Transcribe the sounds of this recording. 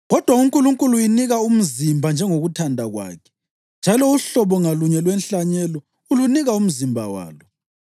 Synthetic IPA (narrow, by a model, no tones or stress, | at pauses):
ɣɔd̥ʱwauŋkʼuluŋkʼulujiniɣaum̩zimbʱand͡ʒʱɛŋoɣutʰandʱaɣwa̰ːkʰɛ̥ | nd͡ʒʱalɔuɬɔβɔŋaluɲɛlwɛnɬaɲɛlɔ | uluniɣaum̩zimbʱa̰wa̰ːlɔ